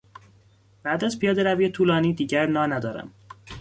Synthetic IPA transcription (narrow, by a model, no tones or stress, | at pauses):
b̥æʔd̪æzpʰijɒːd̪eɾæviːet̪ʰuːlɒːniːd̪iːɟæɾnɒːnæd̪ɒːɾæ̰m